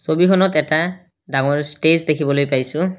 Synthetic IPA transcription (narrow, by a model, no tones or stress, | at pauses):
sobikʰɔnɔtɛta | daŋɔɹstezdekʰibɔlojpajsʊ